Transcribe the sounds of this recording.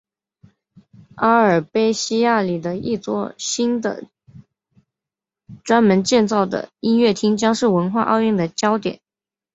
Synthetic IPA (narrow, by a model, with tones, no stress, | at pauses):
a˥ə˞˨˩pe˥ɪɕi˥ja˥˩li˨˩d̪ə˦ḭ˥˩t͡swɔ˥ɕi˥nd̪ə̰˨ | ʈ͡ʂwa˥nmə˧˥nt͡ɕjɛ˥˧nt͡sɑ˥˩ʊd̪ə̰˩i˥nɥɛ˥˩t̪ʰi˥ŋt͡ɕjɑ˥ŋʂɻ̩˥˩wə˧˥nxwa˥˧ʔɑ̰˥˧ʊy˥˩ŋd̪ə˩t͡ɕjɑ˥ʊt̪jɛ̰˨˩˦n